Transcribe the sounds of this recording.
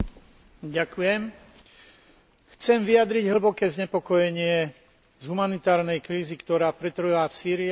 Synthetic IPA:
ɟakujɛm | xt͡sɛmʋijad̪ɾiɟɦl̩bɔkɛːzɲɛpɔkɔjɛɲɪɛ | zɦumanit̪aːɾnɛjkɾiːzikt̪ɔɾaːpɾɛt̪r̩ɦʋaːfsiːɾi

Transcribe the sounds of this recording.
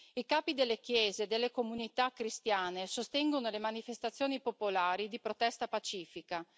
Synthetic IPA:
ikaːpid̪elːekjɛːzeːd̪elːekomunit̪akːɾist̪jaːnesost̪ɛŋɡonolemanifest̪at̪sːjoːnipopolaːɾid̪ipɾot̪ɛst̪apat͡ʃiːfika

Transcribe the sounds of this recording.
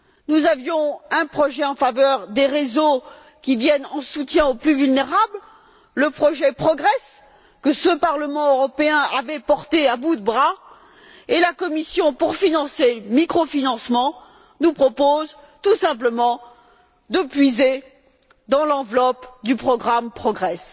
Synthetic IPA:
nuzavjɔ̃ɛ̃pχɔʒɛɑ̃favœʁd̪eʁezo | kʲivjɛnɑ̃sut̪jɛ̃oplyvylneʁabl | ləpχɔʒɛpχɔɡʁɛs | kəsəpaʁləmɑ̃øʁɔpeɛ̃avɛpɔʁt̪eabud̪əbʁa | elakɔmisjɔ̃puʁfinɑ̃semikχofinɑ̃smɑ̃ | nupχɔpoz | t̪usɛ̃pləmɑ̃ | d̪əpɥize | d̪ɑ̃lɑ̃vlɔpd̪ypχɔɡʁampχɔɡʁɛs

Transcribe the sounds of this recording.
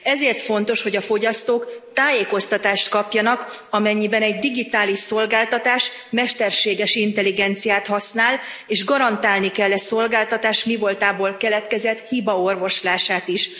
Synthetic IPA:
ɛzeːrt̪fo̞nt̪o̞ʃho̞ɟɒfo̞ɟɒst̪oːkt̪aːjeːko̞st̪ɒt̪aːʃt̪kɒpjɒnɒkɒmɛɲːibɛnɛɟd̪iɡit̪aːliʃso̞lɡaːlt̪ɒt̪aːʃmɛʃt̪ɛrʃeːɡɛʃint̪ɛliɡɛnt̪sijaːt̪hɒsnaːleːʒɡɒɾɒnt̪aːlnikɛlːɛso̞lɡaːlt̪ɒt̪aːʃmivo̞lt̪aːboːlkɛlɛt̪kɛzɛt̪hibɒo̞rvo̞ʃlaːʃaːt̪iʃ

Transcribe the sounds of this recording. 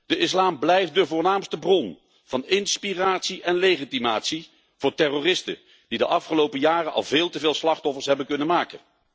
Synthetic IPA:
d̥əʔɪslaːmblɛjft̚dəvʊːɹnaːmstəbrɔn | v̥ɑnɪnspiraːtsiʔɛnlejχitimaːtsi | v̥ʊːɹtɛrorɪstə̰ | d̥idəʔɑfχəlowpəjaːrənʔɑ̰lˠvɪːlˠtəvɪːlˠslɑχtɔfəɹsɦɛbənkɵnənmaːkə̰n

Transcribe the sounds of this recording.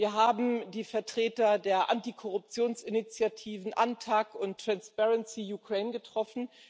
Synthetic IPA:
viːɐɦaːbm̩diːfɛɐtʁ̥eːtɐdeːɐʔantikʰɔʁ̞ʊp̚t͡sjoːnsɪnit͡sjatʰiːvn̩ʔantʰaːkʊnttːʁ̥anspɛʁɛnsijukʁ̥ɛɪnɡətʁ̥ɔfn̩

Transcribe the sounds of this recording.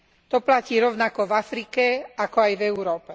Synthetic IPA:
t̪ɔplaciːɾɔʊnakɔvafɾikɛakɔajvɛuɾɔːpɛ

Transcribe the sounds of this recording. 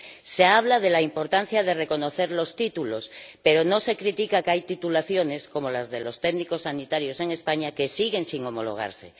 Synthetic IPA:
seaβ̞lað̞e̞laimpo̞ɾt̪an̟θjað̞e̞reko̞no̞θe̞ɾlo̞st̪it̪ulo̞spe̞ɾono̞se̞kɾit̪ikakeajt̪it̪ulaθjo̞nesko̞molazðe̞lo̞st̪eɣniko̞sːanit̪aɾjo̞se̞ŋe̞spaɲake̞siɣe̞ŋsiŋo̞mo̞̰lo̞̰ɣ̞a̰ɾsḛ

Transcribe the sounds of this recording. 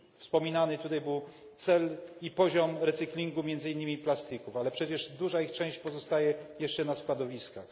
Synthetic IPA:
fspɔmʲinanɘt̪ut̪ajbɘw | t̪sɛlipɔʑɔmɾɛt̪sɘklʲiŋɡumʲjɛnd̪zɘinːɘmʲiplast̪ɘkufalɛpʂɛt͡ɕɛʐd̪uʐaixt͡ʂɛ̃w̃ɕt͡ɕpɔzɔst̪ajɛjɛʂt͡ʂɛnaskwad̪ɔvʲiskax

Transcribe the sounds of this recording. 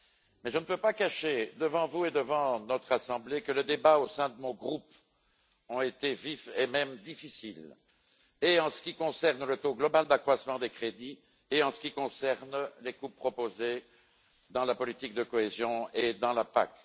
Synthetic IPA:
mɛʒənəpøpakaʃed̪əvɑ̃vued̪əvɑ̃nɔt̪χasɑ̃blekələd̪ebaosɛ̃d̪əmɔ̃ɡʁup | ɔ̃et̪evifemɛmd̪ifisil | eɑ̃sə̥kʲikɔ̃sɛʁnlət̪oɡlɔbald̪akχwasmɑ̃d̪ekχed̪i | eɑ̃sə̥kʲikɔ̃sɛʁnlekupːχɔpoze | d̪ɑ̃lapɔlit̪ik̚d̪əkɔezjɔ̃ed̪ɑ̃lapa̰k

